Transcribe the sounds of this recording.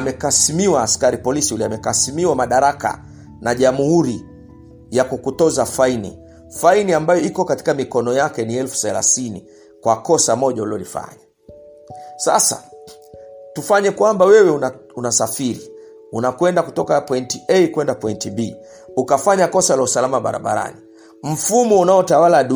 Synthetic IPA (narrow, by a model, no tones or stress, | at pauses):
amɛkasimiwaːskaɾipɔlisiuliamɛkasimiwamaɗaɾaka̰ | naʄamuhuɾi | jakukutɔzafainḭ | fainiambajɔikɔkati̥kamikɔnɔjakɛniɛlfu̥θɛla̰θinḭ | kwakɔsamɔʄaulɔlifa̰ɲa | sa̰sa̰ | tufaɲɛkwambawɛwɛunasafiɾi | unakwɛndakutɔkapɔintiɛjkwɛndapɔintibi | ukafaɲakɔsalausalamaɓa̰ɾa̰ɓa̰ɾa̰ni | m̩fumɔunaɔtawalaɗu